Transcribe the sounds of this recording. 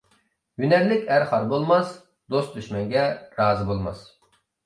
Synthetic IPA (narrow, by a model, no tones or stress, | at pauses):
jynɛɾlɪkʲæɾχɑɾbolˠmɑs | d̪ost̪̚d̪yʃmɛŋɡʲɛɾɑːzɨbolˠmɑ̰s